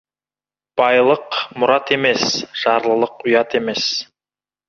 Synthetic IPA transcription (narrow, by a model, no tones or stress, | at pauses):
b̥ɑjlˠəqmʊɾɑt̪e̞me̞sʒ̥ɑɾlˠəlˠəqʊjɑt̪e̞me̞s